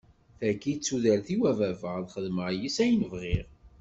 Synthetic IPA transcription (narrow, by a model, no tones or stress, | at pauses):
θækːit͡sːuðælθiwævævəʁðχəðməʁjisæjənəvʁiʁ